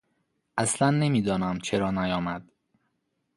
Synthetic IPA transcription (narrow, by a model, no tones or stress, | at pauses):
ʔæslænːe̞miːd̪ɒːnæmt͡ʃʰeɾɒːnæjɒːmæd̪̥